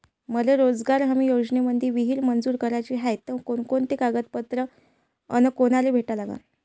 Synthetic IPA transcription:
məleɾod͡zɡaɾɦamiːjod͡ʑneməd̪ʱiʋiɦiːɾmənd͡zuːɾkəɾajt͡ɕiːɦajt̪ːəʋkoɳkoɳt̪ekaɡət̪̚pət̪ɾə | ə̰nəkonaɾebʱeʈalaɡa̰n

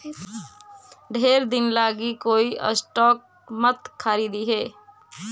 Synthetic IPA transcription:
ɖʱeːɾd̪ɪnlaːɡikoːiʔə̰sʈɔːk̚ | mət̪kʰːaɾid̪iɦeː

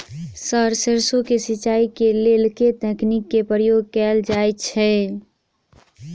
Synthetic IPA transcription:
səɾseɾsõkesɪt͡ʃaːikelelket̪ɛknikːepəɾjoːɡ̚kɛːld͡ʒaːjt͡ʃʰɛ

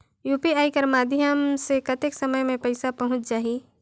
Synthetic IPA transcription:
juːpiaːikɐɾmaːd̪ʱjəmsekɐt̪eksɐməjmẽpɐɪsapɐɦʊ̃t͡ʃd͡ʒaːɦi

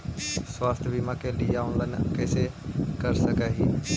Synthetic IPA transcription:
swaːst̪ʰbʱimãkeliːjaːʊ̃nlənkeːsekɐɾsɐɡʱəɦiː

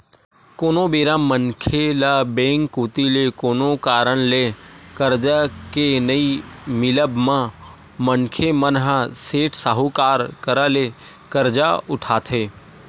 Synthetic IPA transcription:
koːnobeːɾãːmmːəŋkʰelabẽːŋkːuːt̪ilekoːnokaːɾəɽlekəɾd͡ʒakenəimɪləbmã | məŋkʰemənɦaseːʈʰsaɦukaːɾkəɾale | kəɾd͡ʒaʊʈʰaːt̪ʰeː

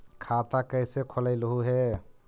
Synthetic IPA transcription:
kʰat̪akəjsekʰoləɪlɦuɦe

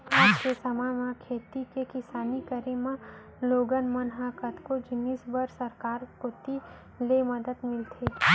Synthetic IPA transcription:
aːd͡ʒkesɐmamakʰeːt̪ikekɪsaːnikəɾemã | loːɡənmɐnɦaːkət̪kod͡ʒɪniːsbəɾsɐɾkaːɾkot̪i | lemɐd̪əd̪mɪlt̪ʰe

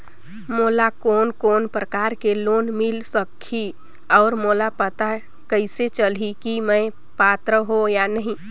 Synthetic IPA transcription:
molakoːnkonpɾəkaɾkelonmilsəkʰi | ɔːɾmolapət̪a | kəɪset͡ʃəlikimə̃ | pat̪ɾəɦojanəɦĩ

